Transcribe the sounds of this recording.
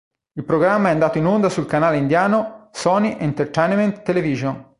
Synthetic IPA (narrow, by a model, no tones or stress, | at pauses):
ilpɾoɡɾamːaɛand̪aːt̪oinond̪asulkanaːleind̪jaːnosɔːniʔent̪ert̪ɛnment̪ːeleviʒon